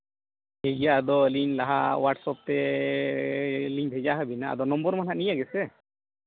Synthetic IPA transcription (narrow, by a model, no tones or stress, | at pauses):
hed͡ʒjaːd̪ɔliŋlaɦa̰waʈsɔp̚t̪ɛ | liŋʱɛd͡ʒaɦabinaa̰d̪ɔnɔmbɔɾmanaʔnijaɡɛsɛ